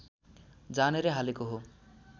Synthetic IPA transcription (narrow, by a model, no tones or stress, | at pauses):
d͡zaneɾeɦalekoɦo